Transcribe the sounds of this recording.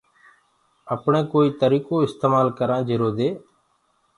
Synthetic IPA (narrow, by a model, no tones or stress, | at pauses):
əpɳẽːkoːiːt̪əɾiːkoːɪst̪eːmaːlkəɾãːd͡ʒɪɾoːd̪eː